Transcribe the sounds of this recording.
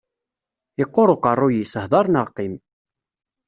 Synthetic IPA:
ɪqːoɾˤoqərˤːʊjisəhðˤɑɾˤnəʁqim

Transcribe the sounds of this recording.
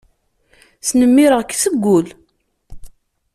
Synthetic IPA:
θnəmːiɾəʁkːsəɡʷːʊl

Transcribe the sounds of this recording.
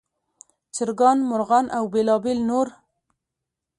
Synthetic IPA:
t͡ʃɪɾɡɑnmʊɾɣɑnʔawbelɑbelnoɾ

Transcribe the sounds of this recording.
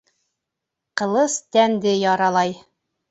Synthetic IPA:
qɤ̆lˠɤst̪ænd̪ɘjɑɾɑlˠɑj

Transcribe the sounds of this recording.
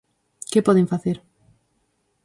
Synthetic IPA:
kɪpɔðeɱfaθeɾ

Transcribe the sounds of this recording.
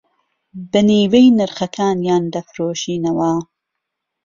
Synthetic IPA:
bɨniːwejnɨɾxɐkʰaːnjaːnd̪ɐfɾoːʃiːnɐwɐ

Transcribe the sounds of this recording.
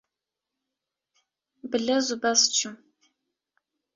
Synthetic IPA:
bɨɮɐzʊbɐst͡ʃʰɪm

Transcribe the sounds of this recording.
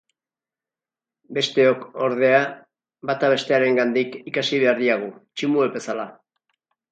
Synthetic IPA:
be̞st̪e̞o̞ko̞ɾð̞e̞a | βat̪aβe̞st̪e̞aɾe̞ŋɡand̪ikikasiβ̞e̞aɾðiaɣ̞ut͡ʃimuebe̞sala

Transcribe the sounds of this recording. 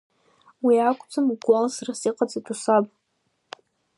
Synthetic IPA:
wiakʷʼʰt͡sʷʰamɡalsrasiqʼad͡zatʰusapʼ

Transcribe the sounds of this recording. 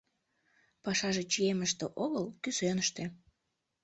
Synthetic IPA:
pɑʃɑʒet͡ɕijeməʃt̪eʔoɣəlkysønəʃt̪e

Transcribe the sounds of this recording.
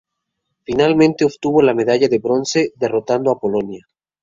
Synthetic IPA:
finalmẽnt̪e̞oβt̪uβo̞lame̞ðaʝaðe̞βɾo̞nse̞ðe̞ro̞t̪and̪oapo̞lo̞nja

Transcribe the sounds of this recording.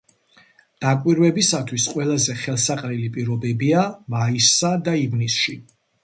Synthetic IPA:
d̪̥akʼwiɾwɛbisat̪ʰwisqʼwɛlˠazɛχɛlˠsaqʼɾilipʼiɾɔbɛbiamaisːad̪aivnisʃi

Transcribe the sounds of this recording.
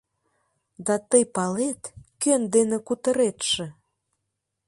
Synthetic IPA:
d̪ɑt̪əjpɑlet̪kønd̪enĕkut̪əɾet̪ʃĕ

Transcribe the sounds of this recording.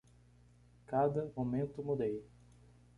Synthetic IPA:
kad̪ɐmomẽnt̪ʊmud̪ej

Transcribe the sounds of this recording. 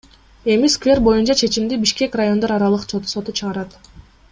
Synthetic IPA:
e̞miskvʲe̞rbo̞junt͡ʃɑt͡ʃʰe̞t͡ʃimd̪ibiʃke̞krajo̞nd̪oɾɑɾɑlˠɯqsot̪so̞t̪ut͡ʃʰɯʁɑɾɑt̪

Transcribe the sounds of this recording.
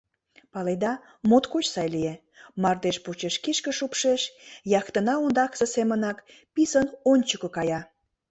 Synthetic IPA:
pɑled̪ɑ | mot̪kot͡ɕsɑjlie | mɑrd̪eʃput͡ɕeʃkiʃkə̆ʃupʃeʃjɑxt̪ənɑund̪ɑksə̆semənɑk | pisənonʲt͡ɕəkəkɑjɑ

